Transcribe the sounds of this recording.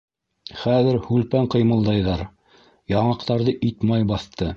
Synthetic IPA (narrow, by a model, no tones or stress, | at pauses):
χæðɘɾhʉlpæɴqɤ̆jmɤ̆lˠd̪ɑjðɑɾ | jɑɴɑqt̪ɑɾðɤʔit̪mɑjbɑθt̪ɤ